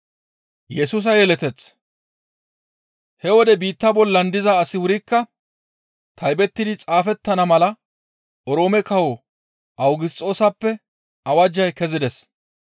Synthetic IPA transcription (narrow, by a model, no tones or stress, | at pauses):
jɛsuːs̬ɐjɛlɛt̪ɛt͡sː | hɛwɔd̪ɛbiːt̪ːɐbɔlːɐnd̪ɪzɐːsɪwʊɾɪkːɐ | t̪ʰɐjbɛt̪ːɪd̪ɪt͡sʼaːfɛt̪ːɐnɐmɐlɐ | ʔɔɾo̞ːmɛkɐwo | ʔɐwɡɪst͡sʼo̞ːsɐpːɛ | ɐwɐd͡ʒːɐjkɛzɪd̪ɛs